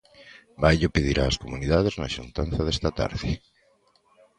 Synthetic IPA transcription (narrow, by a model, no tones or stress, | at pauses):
bajʎʊpeð̞iɾʔaːskomuniðað̞eznaʃunt̪anθɐðɛst̪at̪a̰ɾðɪ